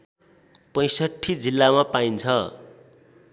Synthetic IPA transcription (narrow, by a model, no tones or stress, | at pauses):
pʌj̃sʌʈʰːid͡zilːamapaint͡sʰʌ